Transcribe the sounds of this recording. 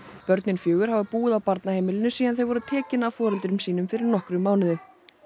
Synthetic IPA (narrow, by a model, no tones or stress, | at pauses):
pœɾt̪nɪnfjœːɣʏɾ̥havapuːɣɪðawpaɾt̪naheːjmɪlɪnʏsiːanθejvɔɾʏt̪ʰɛːcɪnavfɔːɾɛlt̪ɾʏmsiːnʏmfɪɾɪɾnɔhkɾʏmaːwnɪðʏ